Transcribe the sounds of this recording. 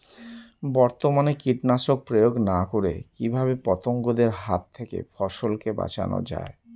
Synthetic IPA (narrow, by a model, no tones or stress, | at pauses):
bɔɾt̪omanekiʈnaʃok̚pɾojoɡnakoɾekibʱabepɔt̪oŋɡod̪eɾɦat̪ʰːekḛfʰɔʃolkeba̰t͡ɕa̰no̰d͡ʑa̰e